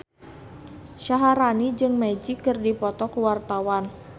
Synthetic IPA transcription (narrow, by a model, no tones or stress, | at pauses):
ʃaɦaɾanid͡ʒɨŋmad͡ʒikːɨrdipɔt̪ɔkuwart̪awan